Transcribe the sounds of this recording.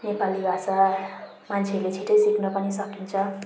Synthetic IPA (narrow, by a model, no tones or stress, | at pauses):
nepalibʱasa | mant͡sʰelet͡sʰiʈʌjsiknʌpʌnisʌkint͡sʰʌ